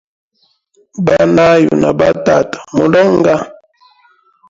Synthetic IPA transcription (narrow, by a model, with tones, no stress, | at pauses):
ba˦na˦jṵ˨na˨ba˦ta˨tḁ˨mo˨lɔ˦ŋ˦ɡa˦